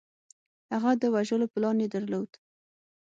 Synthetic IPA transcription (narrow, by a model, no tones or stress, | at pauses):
haɣad̪əwaʒəloplɑnjed̪aɾlod̪̥